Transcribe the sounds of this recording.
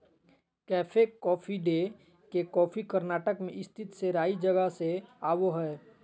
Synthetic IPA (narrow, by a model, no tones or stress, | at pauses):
kɛːfʰekɔːfʰiɖe | kekɔːfʰikəɾnaːʈəkmẽʔɪst̪ʰɪt̪seɾaːid͡ʒəɡəseaːʋoɦɛː